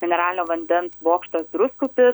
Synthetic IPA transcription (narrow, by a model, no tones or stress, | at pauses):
ɡʲɛnʲɛɾɑːlʲɪnʲoːʋɐnʲd̪ʲɛnsboːkʃt̪ɐsd̪ɾʊskʊpʲɪ